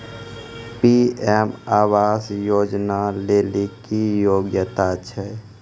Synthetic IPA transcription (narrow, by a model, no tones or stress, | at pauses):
piemaːʋaːsjoːd͡ʒnaleːlikijoːɡjət̪at͡ʃʰɛ